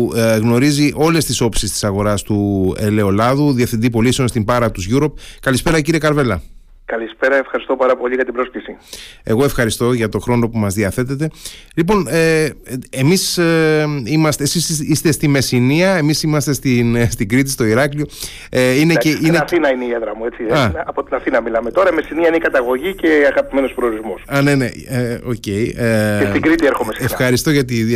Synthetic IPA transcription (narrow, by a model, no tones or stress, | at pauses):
ɣno̞ɾiziʔo̞le̞st̪iso̞psist̪i̥sɐɣo̞ɾɐst̪ue̞le̞o̞lɐðuðiefθind̪ipo̞liseo̞nst̪imbɐɾɐt̪uzʝuɾo̞p̚kɐlispe̞ɾɐciɾie̞kɐɾve̞lɐ̰ | kɐlispeɾɐefxɐɾist̪o̞pɐɾɐpo̞ʎiɣɐt̪ibɾo̞sklisie̞ɣo̞e̞fxɐɾist̪o̞ʝɐt̪o̞xɾo̞no̞pumɐzðiɐθe̞t̪et̪e̞lipo̞neemis | imɐst̪esisist̪e̞st̪ime̞siniɐe̞misimɐst̪e̞st̪inst̪iɡɾit̪̬ist̪o̞iɾɐklio̞ | eineeineɐθθinɐineieðɾɐmue̞t͡siɐɐpo̞t̪inɐθinɐmilɐmet̪o̞ɾɐime̞siniɐineikɐt̪ɐɣo̞ʝice̞ɐɣɐpime̞no̞spɾeoɾizmosɐneneo̞̰ce̞ieet̪iɡɾit̪ieɾxo̞mesexɐɾist̪o̞ʝɐt̪̬i